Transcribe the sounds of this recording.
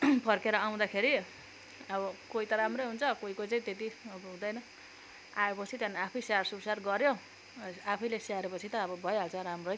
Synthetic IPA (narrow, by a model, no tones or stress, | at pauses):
pʰʌrkeɾʌaw̃d̪akʰeɾi | ʌbʌkoit̪ʌɾamrojɦunt͡sʰʌkoikoit͡saĩt̪et̪iʌbuɦud̪ʌjnʌ | ajopʌt͡sʰit̪janapʰʌjsarsubsarɡʌɾjo | apʰʌjleseaɾepʌt͡sʰit̪ʌːbʌbʱʌjɦalt͡sʰʌɾamroj